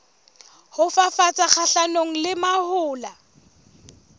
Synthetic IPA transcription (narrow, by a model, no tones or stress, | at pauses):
hʊfafat͡sʼak͡xʰaɬanoŋ̩lɪmahʊːla